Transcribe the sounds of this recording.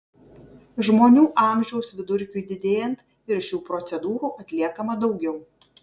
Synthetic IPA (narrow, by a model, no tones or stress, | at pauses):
ʒmoːnʲuːʔɑˑmʲʒʲɛʊsʋʲɪd̪ʊɾʲkʲʊɪd̪ʲɪd̪ʲeːjɛnt̪ | ɪɾʃʲuːpɾɔt̪sʲɛd̪uːɾuːʔɐt̪ʲlʲiɛkɐmɐd̪ɒʊɡʲɛʊ